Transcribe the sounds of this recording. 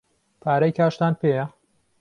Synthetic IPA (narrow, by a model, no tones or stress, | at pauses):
pʰaːɾɐjkʰaːʃt̪aːnpʰeːjɐ